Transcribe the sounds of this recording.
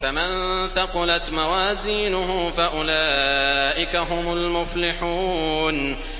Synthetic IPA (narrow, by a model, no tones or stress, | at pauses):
famɪnθɑqʊlat̪mawaːziːnʊhʊfaʔʊlaːʔɪkaɦʊmʊlmʊflɪħuːn